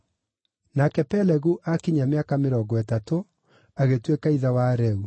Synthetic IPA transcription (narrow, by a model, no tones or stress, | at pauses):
nakɛpɛlɛɣuʔakiɲameakameɾɔɡɔɛtato | aɣetwekaiðawaɾɛu